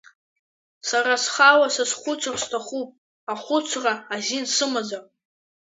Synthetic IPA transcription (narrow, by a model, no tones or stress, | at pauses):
sarasχawasasχʷʊt͡ʃʷʰrstʰaχupʼ | aχʷʊt͡ʃʷʰraazinsɨmad͡zar